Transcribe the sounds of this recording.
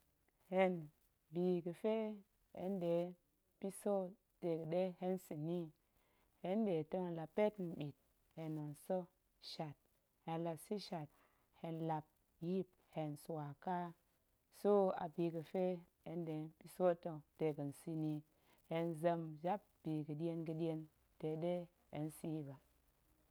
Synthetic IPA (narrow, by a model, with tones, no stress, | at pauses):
he˨n | bi˨ɡə˨fe˦ | ḛ˦nde˨˦ | pi˦so˦ | te˨ɡə˨ɗe˦he˦nsi˨ni˦ | he˦nde˨tə˦ŋla˨pe˦tn̩˨ɓi˨t̚ | he˨no˨nso˦ | ʃa˨t̚ | he˨nla˨si˦ʃa˨t̚ | he˧nla˨p̚ | ji˦p̚ | he˨nsu˨wa˨ka˦ | so˦a̰˨bi˨ɡə˨fe˦he˦nde˨˦pi˦so˦tə˦ŋte˨ɡə˨n˨si˦ni˦ | he˨nzə˧md͡ʒa˦p̚b̥i˨ɡə˨di˦e˦nɡə˧di˦e˦n | te˨ɗe˦ | hḛ˨nsi˦ji˦ba˨